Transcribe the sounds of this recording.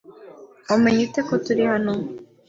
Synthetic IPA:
omeɲutekotuɾihano

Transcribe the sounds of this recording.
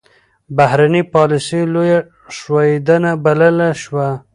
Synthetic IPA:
bahɾanipɑlɪsiloja | ʂwɑjed̪anabaləlaʃwa

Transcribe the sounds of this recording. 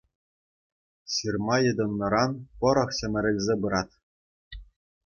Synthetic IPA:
ɕɯrmɑjɤ̆d̪ɤ̆nːɤ̆ɾɑnpɤ̆ɾɤ̆χɕɘ̆mʲɘ̆ɾʲɘ̆lʲzʲebɯɾɑt̪ʲ

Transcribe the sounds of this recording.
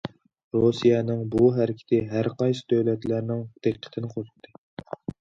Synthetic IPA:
ɾosijɛnɪŋbuɦæɾɪkʲʰɪ̥t̪ʰɪɦæɾqɑjsɨ̥d̪øwlɛt̪læɾnɪŋd̪̥eqqʰːə̥t̪ʰɪnɪqʰozɨq̚t̪ʰːɨ

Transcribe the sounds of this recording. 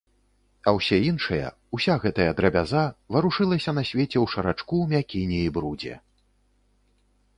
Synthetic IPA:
ɐwsʲɛinʂɐjɐ̰ | usʲaɣɛt̪ɐjɐd̪ɾɐbʲazavɐɾuʂɨlˠɐsʲɐnɐsʲvʲet͡sʲɛwʂɐɾat͡ʂkumʲakʲinʲɛibɾud͡zʲɛ̰

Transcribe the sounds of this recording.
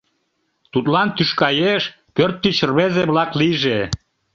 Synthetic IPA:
t̪ut̪lɑnt̪yʃkɑjeʃ | pørt̪ːit͡ɕrβezeβlɑkliʒe

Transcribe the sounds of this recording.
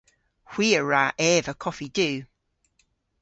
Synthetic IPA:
hw̥iːəɹaʔɛːvəkʰɒfid̥ʉː

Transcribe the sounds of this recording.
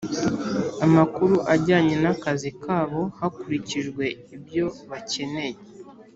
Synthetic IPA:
amakuɾuʔaɟaːɲe̞nakazikʰaːβo̞hakuɾiciʒɡwe̞ibjo̞βace̞ne̞je

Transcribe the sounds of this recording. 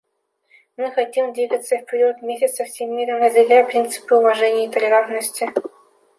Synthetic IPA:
mɨxatʲimd̪vʲiɡət̪səfʲpʲɾʲt̪mʲesʲɪt̪sɐfsʲemmʲiɾʲənɐzʲɪrʲjʲaprʲint̪sɨ̥pɨuvaʐɛnʲɪjit̪əlʲeɾarnəsʲtʲi

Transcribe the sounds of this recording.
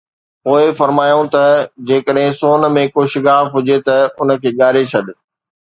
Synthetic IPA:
poːɪfɐɾmaːjõt̪ɐd͡ʑeːkəɗɦɪ̃soːn̆mẽkoːʃɪɠaːfɦʊd͡ʑet̪ɐʊnə̆kʰeːɠaːɾet͡ɕʰɐɗ̪ɪ

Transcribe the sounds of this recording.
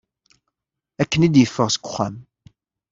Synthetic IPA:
ækːənid̪jəfːəʁsə̥ɡʷʊ̥χːæ̰m

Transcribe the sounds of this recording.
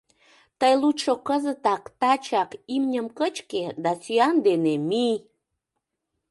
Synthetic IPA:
t̪əjluʃokəzət̪ɑkt̪ɑt͡ɕɑkimnʲəmkət͡ɕked̪asyɑnd̪enemi

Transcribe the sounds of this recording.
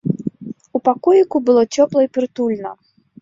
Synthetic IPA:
upakɔjikubɨlˠɔt͡sʲɔplˠɐipɾɨt̪ulʲnɐ̰

